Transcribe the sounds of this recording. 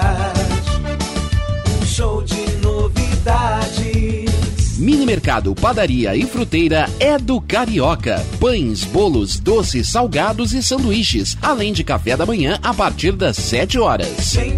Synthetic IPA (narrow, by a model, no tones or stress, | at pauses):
ũʃowd͡ʒɪnovid̪ad͡ʒɪ | mĩnimeɾka̰d̪ʊpad̪aɾiɐ̰ɪfɾut̪ejɾɐɛd̪ʊkaɾiɔkɐ̰pɐ̃j̃sbolʊzd̪osɪsːawɡad̪ʊzɪsɐ̃nd̪uiʃɪsalẽj̃d͡ʒɪkafɛd̪ɐmɐ̃ɲɐ̃ʔapaɾt͡ʃiɾd̪ɐsːɛt͡ʃɪɔɾɐ̰s